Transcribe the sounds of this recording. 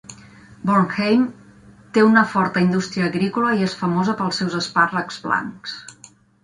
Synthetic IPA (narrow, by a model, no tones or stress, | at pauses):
bonxejm | t̪eunəfɔɾt̪əind̪ust̪ɾiəːɣɾikuləiesfəmozəpəlˠsɛwzəsparəkzβla̰ŋks